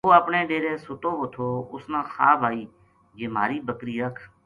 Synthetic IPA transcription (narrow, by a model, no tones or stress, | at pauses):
oːəpɳeːɗeːɾẽːsʊt̪oːʋot̪ʰoːʊsnãːxaːbʱaːiː | d͡ʒeːmaːɾiːbəkɾiːəkʰ